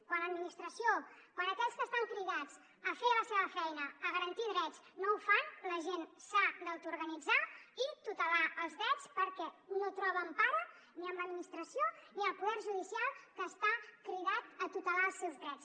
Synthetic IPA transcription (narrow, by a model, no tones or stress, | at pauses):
kwanləd̪minist̪ɾəsiokwəɾəkɛʎskəst̪aŋkɾiðaz | əfeləseβ̞əfɛjnəːɣəɾənt̪iðɾɛd͡znoufanləʒensad̪əwt̪uɾɣənid͡zait̪ut̪əlaəlˠzðɾɛt͡spəɾkɛnot̪ɾɔβəmpaɾə | niəmləd̪minist̪ɾəsioniəlˠpuðɛɾʒuðisialˠkəːst̪akɾiðat̪ət̪ut̪əlaəlˠsewzðɾɛt͡s